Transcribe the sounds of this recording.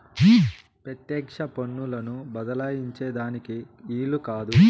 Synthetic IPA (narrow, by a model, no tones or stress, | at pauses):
pɾɐt̪jɛːkʂɐponːulɐnubɐd̪ɐlaːjiɲt͡ʃeːd̪aːniki | iːlukaːd̪u